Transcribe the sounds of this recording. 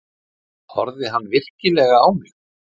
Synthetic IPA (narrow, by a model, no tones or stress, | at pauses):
hɔ̰ɾðɪɦanːvɪr̥cɪlɛːɣaaːwmɪx